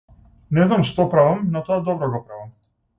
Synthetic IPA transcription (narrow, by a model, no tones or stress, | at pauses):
nɛznamʃt̪ɔpɾavamnat̪ɔad̪ɔbɾɔɡɔpɾavam